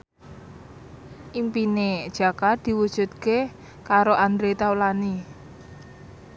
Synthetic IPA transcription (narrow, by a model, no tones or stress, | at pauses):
ʔimpined̥ʒ̥a̤kad̪̥i̤wud̥ʒ̥ṳt̪̚ke | kaɾoʔand̪ɾet̪awlani